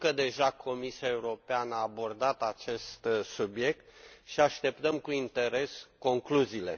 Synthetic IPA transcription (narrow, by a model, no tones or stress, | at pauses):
kəd̪e̞ʒakʰo̞misiae̞uɾo̞peanəaːbo̞rd̪at̪at͡ʃe̞st̪subje̞k̚t̪ʃiaʃt̪e̞pt̪əmkuint̪e̞ɾe̞sko̞ŋkluziːle̞̰